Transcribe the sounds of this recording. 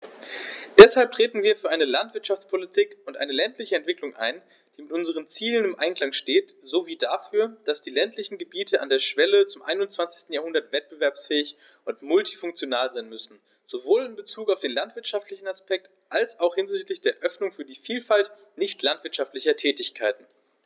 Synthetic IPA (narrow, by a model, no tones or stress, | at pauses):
d̥ɛshalp̚tʁ̥eːtn̩viːɐfyɐaɪnəlantv̥ɪɐtʃaft͡spʰolitʰiːkʊntʔa̰ɪnəlɛntlɪçəɛntv̥ɪklʊŋʔa̰ɪn | d̥iːmɪtʔʊnzəʁ̞ənt͡siːlənɪmʔaɪnkl̥aŋʃteːtz̥oːviːdafyːɐd̥asd̥iːlɛntlɪçn̩ɡəbiːtʰəʔa̰ndeːɐʃv̥ɛlət͡sʊmʔaɪnʊnt͡sv̥ant͡sɪçstn̩jaːhʊndɐtv̥ɛt̚b̥əvɛɐpsfɛːɪç | ʔʊntmʊlti̥fʊŋk̚t͡sjonaːlzaɪnmʏsn̩ | z̥ovoːlɪmbət͡suːkaʊfd̥eːnlantv̥ɪɐtʃaftlɪçn̩aspɛk̚t | ʔalsaʊxhɪnzɪçtlɪçd̥eːɐʔœfnʊŋfyːɐdiːfiːlfalt | nɪçtlantv̥ɪɐtʃaftlɪçɐtʰɛːtɪçkʰaɪtn̩